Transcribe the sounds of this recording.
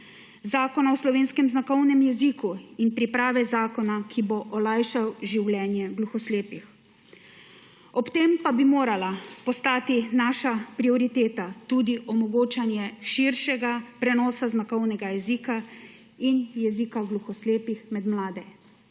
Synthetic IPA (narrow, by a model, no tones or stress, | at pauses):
zaːkɔnaɔslɔʋeːnskɛmznakɔwnɛmjɛzikuinpɾipɾaːʋɛzaːkɔnakʰiboʔɔlajʃawʒiwlɛnjɛɡluxɔsleːpix | ɔpt̪empabimoːɾalapɔst̪aːt̪inaːʃapɾiɔɾit̪eːt̪at̪uːd̪iʔɔmɔɡoːt͡ʃanjɛʃiɾʃɛɡapɾɛnɔːsaznakɔwnɛɡajɛziːka | injɛziːkaɡluxɔsleːpixmɛd̪mlaːd̪ɛ